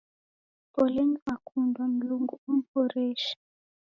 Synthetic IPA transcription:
pɔlɛnmakʰundwam̩luŋɡuum̩pɔɾɛʃḁ

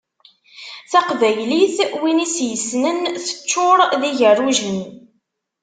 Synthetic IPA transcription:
θɑqvæjliθwinisjəsnənθə̥t͡ʃːʊɾˤðiʝərːuʒin

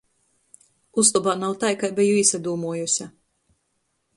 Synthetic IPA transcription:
uslˠubaːnawt̪ajkajbɛjuisad̪uːmuɔjusʲa

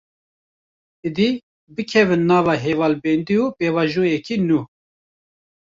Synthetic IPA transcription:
id̪i | bɨkʰɛvɨnːɑːvɑːɦevɑːlbɛnd̪iupeːvɑːʒuːjɛkʰiːnuː

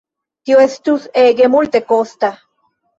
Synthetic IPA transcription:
t̪ioest͡ʃ̪useɡemult̪ekost̪a

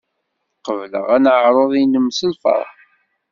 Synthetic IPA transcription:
qəvlə̰ʁænʕɾˤoðˤinəmsəlfə̰ɾˤ

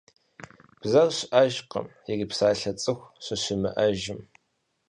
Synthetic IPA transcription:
b̥zɐwɕʔɐʒqə̰m | ɪɡɪpsaːɬɐt͡sʼɨxʷɕɪɕɪmɐ̰ʔɐʒɪm

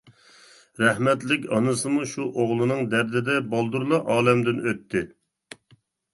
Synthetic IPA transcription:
ɾæhmɛt̪lɪkʲɑnɨsɨmuʃuʔoʁlˠɨnɨŋd̪æɾd̪ɪd̪ɛbɑlˠd̪uɾlˠɑʔɑːlɛmd̪ɪnøt̪ʰːɪ

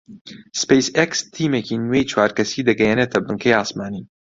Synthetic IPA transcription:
spejsekst̪ʰiːmecinwejt͡ʃʰwaːɾkɐsiːd̪ɐɡɛjenet̪ʰɐbɨŋkʰejaːsmaːni

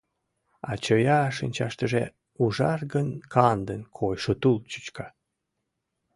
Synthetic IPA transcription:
ɑt͡ɕəjɑʃinʲt͡ɕɑʃt̪əʒe | uʒɑrɣənkʰɑnd̪ənkʰojʃot̪ult͡ɕu̥t͡ɕkɑ

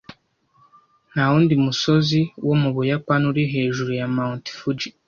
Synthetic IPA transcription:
nawuːndimuso̞ziwʔomuβujakwanuɾiɦe̞ːʒuɾujamaunti̥fud͡ʒi

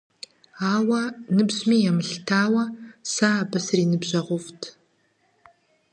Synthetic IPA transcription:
aːwɐnɨbʑmiːjɛmɨɬtʰaːwɐsaːbɐsriːnɨbʑɐʁʷʊftʰ

